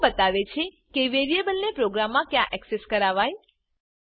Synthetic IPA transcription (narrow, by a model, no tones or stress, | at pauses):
bət̪aʋet͡ʃʰe | keʋeɾiebəlnepɾoɡɾamːãkjãʔɛkseskəɾaʋaj